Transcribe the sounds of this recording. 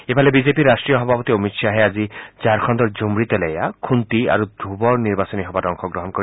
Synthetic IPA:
epalebid͡ʒepiɾːasʈɾijɔɦɔbʱapɔt̪iomit̪ʃaɦead͡ʒid͡ʒaɾkʰɔnd̪ɔɾd͡ʒomɾit̪ɔlejakʰunt̪ia̰ɾud̪ʱubɔɾniɾbasɔniɦɔbaɾɔŋkʰɔɡɾɔɦɔnkɔɾi

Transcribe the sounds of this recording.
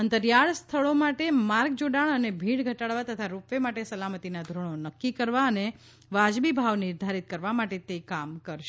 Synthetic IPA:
ənt̪əɾjaɭst̪ʰəɭomaʈemaɾɡd͡ʒoɖaɭənebʱiɽɡʱəʈaɭʋat̪ət̪ʰaɾupʋemaʈesəlamət̪inad̪ʱɾəɳ̃onəkːikəɾʋaəne | ʋad͡ʒbibʱaʋnɪɾd̪ʱaɾit̪̚kəɾʋamaʈet̪ekamkəɾʃe

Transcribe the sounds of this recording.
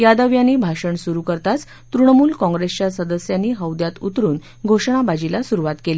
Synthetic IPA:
jad̪əʋjaniːbʱaʂəɳsuɾukəɾt̪at͡s | t̪ɾuɳəmuːlkɔ̃ŋɡɾest͡ɕjasəd̪əsjaniːɦəwd̪jat̪ut̪ɾuːn | ɡʱoʂɳabad͡ʑilasuɾuʋat̪keli

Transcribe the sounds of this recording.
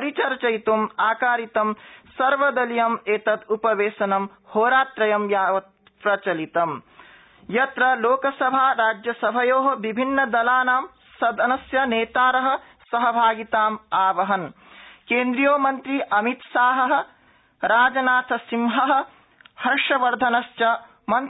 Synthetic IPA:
ɐɾit͡ʃɐɾt͡ʃɐjt̪umaːkaːɾit̪ɐmsɐɾʋɐd̪ɐlijɐmeːt̪ɐd̪upɐʋeːsɐnɐm | hoːɾaːt̪ɾɐjɐmjaːʋɐt̪̚ | pɾɐt͡ʃɐlit̪ɐm | jɐt̪ɾɐloːkɐsɐbʱaːɾaːd͡ʒjɐsɐbʱɐjoːɦɐʋibʱinːɐd̪ɐlaːnaːm | sɐd̪ɐnɐsjɐneːt̪aːɾɐɦɐ̆ | sɐɦɐbʱaːɡit̪aːmaːʋɐɦɐn | keːnd̪ɾijoːmɐnt̪ɾiʔɐmit̪saːɦɐɦɐ̆ | ɾaːd͡ʒɐnaːt̪ʰɐsimɦɐɦɐ̆ | hɐɾʂɐʋɐɾd̪ʱɐnɐʃt͡ʃɐ | mɐn

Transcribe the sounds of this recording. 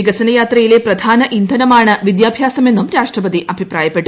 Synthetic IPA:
iɡɐsɐnɐjaːt̪rɐjile̞prɐd̪ʱaːnɐʔind̪ʱɐnɐmaːɳɨʋid̪jaːbʱjaːsɐme̞nːumɾaːʂʈrɐpɐd̪iʔɐbʱipraːjɐpːe̞ʈːu

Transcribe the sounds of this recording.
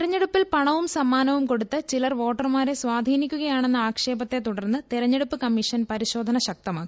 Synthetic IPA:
iɾɐɲːeɽupːilpɐɳɐʋumsɐmːaːnɐʋumko̞ɽut̪ːɨt͡ɕilɐrʋo̞ːʈːɐrmaːɾe̞sʋaːd̪ʱiːnikʲːuɣɐjaːɳe̞nːɨaːkʂe̞ːbɐt̪ːe̞t̪uɽɐrnːɨt̪iɾɐɲːeɽupːɨkɐmːiʂɐnpɐɾiɕo̞ːd̪ʱɐnɐɕɐk̚t̪ɐmaːkːi

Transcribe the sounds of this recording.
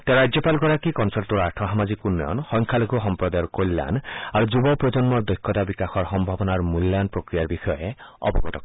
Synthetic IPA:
t̪eaɾajd͡ʒjɔpalɡɔɾakikɔnsaɾʈuɾaɾʈʰɔɦamad͡ʒikunːɔjɔ̰nhɔŋkʰaloɡʱuɦɔmpɾɔd̪ajɔɾkojlːa̰naɾud͡ʒubɔpɾɔd͡ʒɔnmɔɾd̪ɔkʰːɔt̪abikaxɔɾɦɔmbʱabɔnaɾmulːjanpɾokɾijaɾbisɔeɔ̰bɔɡɔt̪ɔk

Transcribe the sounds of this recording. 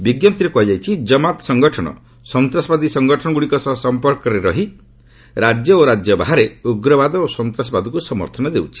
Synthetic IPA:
biɡjɔpt̪iɾepuɦad͡ʒajt͡ʃʰid͡ʒɔmat̪sɔŋɡɔʈʰɔñɔ̰ | sɔnt̪ɾasɔbad̪isɔŋɡɔʈʰɔnɔɡuɽikɔsɔsɔmpɔɾkɔɾeɾɔ̰ɦi | ɾad͡ʒjɔoɾad͡ʒjɔbaɦaɾeuɡɾɔbad̪ɔosɔnt̪ɾasɔbad̪ɔkusɔmɔ̰ɾt̪ʰɔnɔd̪ewt͡ʃʰi̥

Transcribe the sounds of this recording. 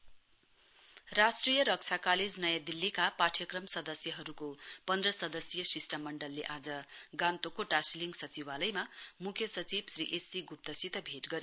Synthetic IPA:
rasʈrijʌɾʌk̚t͡sʰakaled͡znʌjad̪ilːikapaʈʰjʌkrʌmsʌd̪ʌsjʌɦʌɾukopʌnd̪rʌsʌd̪ʌsjʌsisʈamːʌɳɖʌlːeʔad͡zʌɡãnt̪okoʈasliŋɡsʌt͡siwalʌjmamukʰjʌsʌt͡sibsriʔesːiɡup̚t̪ʌsit̪ʌbʱeʈɡʌɾ

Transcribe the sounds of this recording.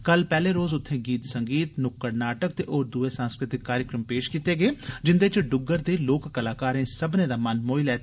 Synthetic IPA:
kəlpɛːleːɾoːzʊt̪ʰːẽːɡiːt̪səŋɡiːt̪nʊkːəɾnaːʈək̚t̪eːʔoːɾd̪uːeːsãːnskɾɪt̪ɪkːaːɾjəkɾəmpeːʃkiːt̪eːɡeːd͡ʒɪnd̪eːt͡ʃɖʊɡːəɾd̪eːloːkːəlaːkaːɾẽːsəbnẽːd̪aːmənmoːilɛː

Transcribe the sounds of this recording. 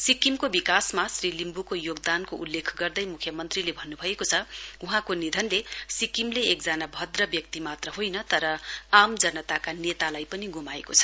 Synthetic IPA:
sikimkobikasmasrilimbukojoɡd̪ankoʔulːekʰɡʌrd̪ʌjmukʰjʌmʌnt̪rilebʱʌnːubʱʌekot͡sʰʌuɦãkonid̪ʱʌnlesikimleekd͡zanabʱʌd̪rʌbjʌk̚t̪imat̪rʌɦojnʌt̪ʌɾʌamd͡zʌnʌt̪akanet̪alajpʌniɡumaekot͡sʰʌ̥

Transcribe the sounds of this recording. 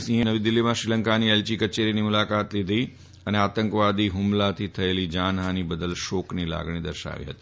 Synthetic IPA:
sĩɦənəʋid̪ɪlːimãʃɾiləŋkaniɛlt͡ʃikət͡ʃeɾinimʊlakat̪lid̪ʱi | əneat̪əŋkʋad̪iɦʊmlat̪ʰit̪ʰəelid͡ʒanɦanibəd̪əlʃoknila̰ɡɳ̃id̪əɾʃa̰ʋḭɦət̪i̥

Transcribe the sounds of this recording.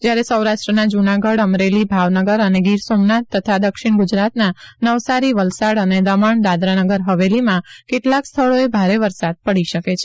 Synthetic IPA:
d͡ʒjaɾesəwɾaʃʈɾənad͡ʒunaɡəɽəmɾelibʱaʋnəɡəɾəneɡiɾsomnat̪ːət̪ʰad̪əkʃiɽɳɡʊd͡ʒɾat̪nanəʋsaɾiʋəlsaɽəned̪əməɳd̪ad̪ɾanəɡəɾɦəʋelimãkeʈlakst̪ʰəɭoebʱaɾeʋəɾsad̪̚pəɽiʃəket͡ʃʰe̥

